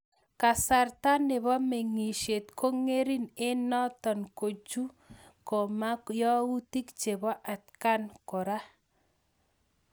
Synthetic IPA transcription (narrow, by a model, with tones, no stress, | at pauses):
ka˨sa˨rta˦nɪ˨βɔ˦me˨ŋi˨ʃe˨tkʰo˦ŋe˦ɾi˦ne˦nɔ˦tɔ˨nko˨t͡ʃu˦ | kɔ˨ma˦jɔ˦u˦ti˦kt͡ʃe˨βɔ˦ʔa˨t̚ka˦nkɔ˨ɾa˦